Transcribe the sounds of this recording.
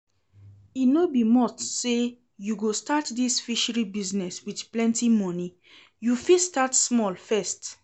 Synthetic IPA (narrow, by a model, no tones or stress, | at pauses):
inobimɔtse | juɡostatdisfiʃəɹibiznɛswidplɛ̃ntimɔni | jufistatsmɔlfɛst